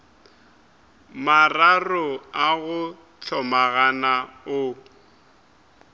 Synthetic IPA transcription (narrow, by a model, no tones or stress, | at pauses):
mararʊaɣʊ | t͡ɬʰɔmaɣanaʊ